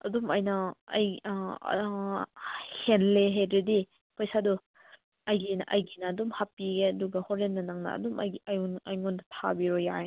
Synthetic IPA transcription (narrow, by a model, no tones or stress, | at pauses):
ɐdumɐjnɐɐ̰j | henleɦedɾedi | pɐjsadu | ɐjɡinaʔɐjɡinaːdumhapiɡeɐduɡɐhɔɾenːɐnaŋnɐ̰ɐ̰dumɐjnɐjŋɔnɐtʰa̰biɾɔjaj